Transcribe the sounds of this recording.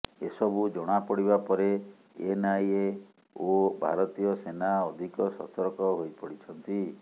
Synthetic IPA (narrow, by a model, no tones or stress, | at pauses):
esɔbud͡ʒɔɽ̃apɔɽibapɔɾe | enaje | obʱa̰ɾɔt̪ijɔsenaɔd̪ʱikɔsɔ̰t̪ɔɾkɔɦojpɔɽit͡ʃʰɔnt̪i